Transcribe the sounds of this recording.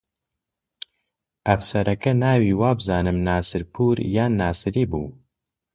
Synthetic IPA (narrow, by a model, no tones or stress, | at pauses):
ɛfsɛɾɛkɛnaːwiːwaːbɨzaːnɨmnaːsɨɾpʰuːɾjaːnːaːsɨɾiːbṵː